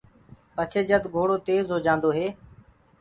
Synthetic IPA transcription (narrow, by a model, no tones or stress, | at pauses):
pət͡ʃʰeːd͡ʒəd̪ɡʱoːɽoːt̪eːzɦoːd͡ʒãːnd̪oːɦeː